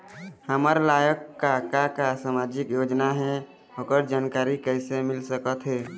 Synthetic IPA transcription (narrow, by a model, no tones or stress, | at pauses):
həməɾlajəkːakakasamad͡ʒikjod͡ʒnaɦɛ | ɦokəɾd͡ʒaːnkaɾikəsemilsəkət̪ɦɛː